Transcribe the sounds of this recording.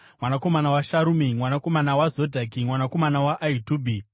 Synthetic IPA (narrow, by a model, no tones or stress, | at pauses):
mwanako̞manawaʃaɾumimwanako̞manawazodʱakimwanako̞manawaʔaituːbʱi